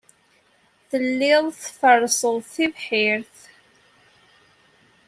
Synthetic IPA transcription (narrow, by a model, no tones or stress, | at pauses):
θəlːɪðˤθfərˤːsˤəðˤθivħɪɾθ